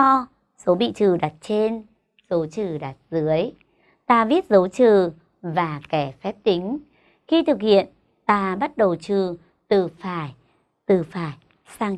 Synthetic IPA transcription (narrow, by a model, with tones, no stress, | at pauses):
ɔ˧ | so˨˦ɓḭ˧˨t͡ɕɨ˨˩ɗa˨˩t̚t͡ɕe˧n | zo˨˦t͡ɕɨ˨˩ɗa˨˩t̚zɨ˨˦əj | t̪aː˧vi˦˥ət̚zə˨˦wt͡ɕɨ˨˩ | vaː˨˩kɛ˧˩fɛ˦˥p̚t̪ï˨˦ŋ̟ | xi˧t̪ʰɨ˨˩k̚hḭ˧˨ən | t̪aː˧ɓa˦˥t̚ɗə˨˩wt͡ɕɨ˨˩ | t̪ɨ˨˩faː˧˩j | t̪ɨ˨˩faː˧˩j | saː˧ŋ